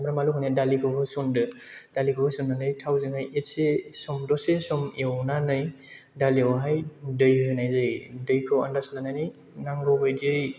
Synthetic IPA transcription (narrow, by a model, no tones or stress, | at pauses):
mɾamalukʰɯnedalikʰɯwɦʰɯsundɯd̥alikʰɯwhɯsunːanɯjtʰawzeŋɦajet̚sesɔmdɔsesɔmewnanɯjdaliawɦajdɯjhɯnajzɯjdɯjkʰɯwa̰ndasalanajnɯj | naŋɡɔbɯjdɯj